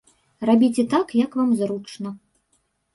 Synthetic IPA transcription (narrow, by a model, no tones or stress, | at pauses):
rabʲit͡sʲɛt̪akjɐkvamzɾut͡ʂnɐ